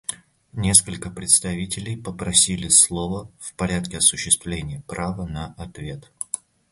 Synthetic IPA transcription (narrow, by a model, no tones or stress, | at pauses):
nʲe̞skəlʲkəpɾʲɪt̪st̪ɐvʲitʲɪlʲɪjpəpɾɐsʲilʲɪslˠovəfpɐɾʲat̪̚kʲɪɐsʊɕːɪst̪vlʲenʲɪjəpɾavənɐʔɐt̪vʲe̞t̪